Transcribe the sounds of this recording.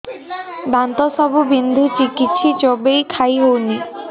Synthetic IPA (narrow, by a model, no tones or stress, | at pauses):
bant̪ɔsɔbʱubind̪ʱut͡ʃikit͡ʃʰid͡ʒɔbejkʰajɦowni